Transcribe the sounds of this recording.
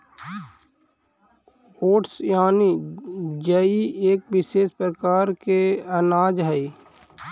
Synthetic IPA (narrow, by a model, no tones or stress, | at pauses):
oːʈsjaːni | d͡ʒəieːk̚ʋɪʃeːʃpɾəkaːɾkeənaːd͡ʒɦəi